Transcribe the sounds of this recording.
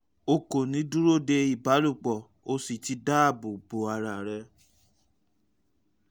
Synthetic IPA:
o˧ko˨nĩ˨˦du˦ɾo˦˨de˧i˦˨ba˨˦lu˦˨k͡pɔ˨ | o˧si˨ti˧da˦˨bo˨bo˨˦a˧ɾa˨ɾɛ˧

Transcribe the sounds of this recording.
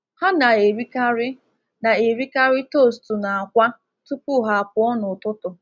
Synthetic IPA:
ha˦na˨e˨ɾi˦ka˦ɾɪ˦ | na˨e˨ɾi˦ka˦ɾɪ˦to˦˨stu˨na˨a˨kʷa˦ | tu˦pu˦ɦa˨a˨pʊ˨ɔ˦nʊ˨tʊ˦tʊ˨

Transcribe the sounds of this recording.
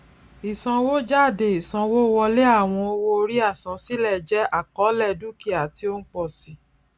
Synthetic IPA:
i˨sã˧wo˦d͡ʒa˦˨de˨i˨sã˨˧wo˦wɔ˧le˦a˦˨w̃ɔ̃˧o˧wo˧o˧ɾi˦a˦˨sã˨˧si˦lɛ˦˨d͡ʒɛ˦a˦˨kɔ˨˦lɛ˦˨du˦ki˦a˨ti˧˦o˦n̩˦k͡pɔ˦˨si˨˦

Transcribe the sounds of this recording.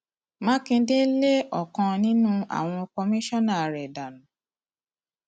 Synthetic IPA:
mã˦kĩ˧de˦le˦ɔ˨kã˧nĩ˦nũ˦a̰˦˨w̃ɔ̃˧kɔ˧mĩ˦ʃɔ˦nã˦˨ɾɛ˨da˨nũ˨˦

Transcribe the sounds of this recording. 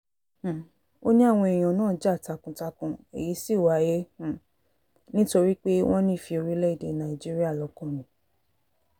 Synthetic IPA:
o˦ɲĩ˦a˦˨w̃ɔ̃˧e˨j̃ɔ̃˨nãː˦˨˦d͡ʒa˦˨ta˨˧kũ˨ta˧kũ˧ḛ˨ji˨˦si˦˨wa˨˦jẽ˦˨ | nĩ˦to˧ɾi˦k͡pe˦w̃ɔ̃˦nĩ˦i˦˨fi˧o˧ɾi˦lɛ˦i˦˨de˧nã˨ĩ˨d͡ʒi˦ɾi˦a˦˨lɔ˧˦kɔ̃˦˨nĩ˨˦

